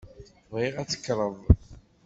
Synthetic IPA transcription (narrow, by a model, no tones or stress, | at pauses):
vʁiʁæt͡sːə̥kːɾˤəðˤ